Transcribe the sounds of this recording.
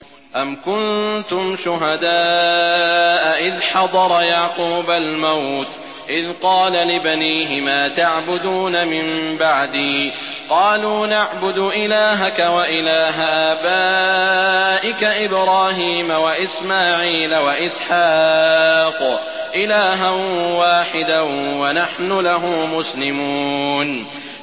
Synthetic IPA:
ʔamkʊnt̪ʊmʃʊɦad̪aː | ʔaʔɪðħɑd̪ˤɑɾˤɑjaʕquːbalmawt̪ | ʔɪðqɑːlalɪbaniːɦɪmaːt̪aʕbʊd̪uːnamɪmbaʕd̪iː | qɑːluːnaʕbʊd̪ʊʔɪlaːɦakawaʔɪlaːɦaʔaːbaː | ʔɪkaʔɪbɾɑːɦiːmawaʔɪsmaːʕiːlawaʔɪsħɑːq | ʔɪlaːɦanwaːħɪd̪awanaħnʊlaɦʊmmʊslɪmuːn

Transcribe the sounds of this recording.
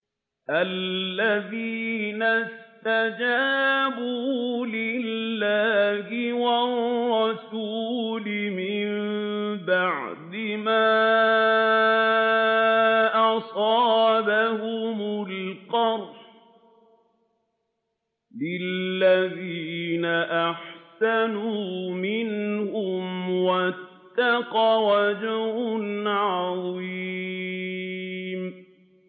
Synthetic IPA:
ʔalːaðiːnast̪ad͡ʒaːbuːlɪlːahɪwɑrːɑsuːlɪmɪmbaʕd̪ɪmaː | ʔɑsˤɑːbahʊmʊlqɑɾˤf | lɪlːaðiːnaʔaħsanuːmɪnhʊmwat̪ːɑqɑwad͡ʒahʊnʕɑðˤi | m

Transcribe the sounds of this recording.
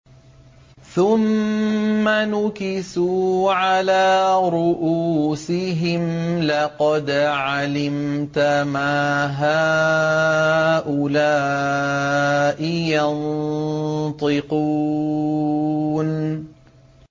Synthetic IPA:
θʊmː | anʊkɪsuːʕalaːɾˤʊʔuːsɪɦɪmlɑqɑd̪ʕalɪmt̪amaːɦaː | ʔʊlaː | ʔɪjan | t̪ˤɨqu | n

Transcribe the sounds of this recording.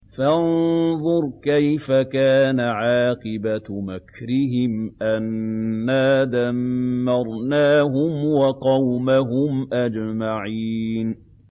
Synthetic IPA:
fanðˤʊɾˤkajfakaːnaʕɑːqɨbamakɾɪɦɪmʔanːaːd̪amːɑɾˤnaːɦʊmwɑqɑwmaɦʊmʔad͡ʒmaʕiːn

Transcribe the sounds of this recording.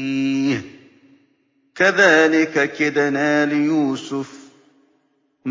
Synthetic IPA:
kaðaːlɪkakɪd̪anaːlɪjuːsʊf | m

